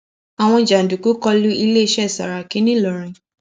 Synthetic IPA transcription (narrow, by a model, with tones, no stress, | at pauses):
a˨w̃ɔ̃˧˨d͡ʒa˨n̩˨du˨ku˨˦kɔ˧lu˦i˧le˦i˧ʃɛ˦˨sa˨ɾa˨ki˦nĩ˦lɔ˨ɾ̃ĩ˨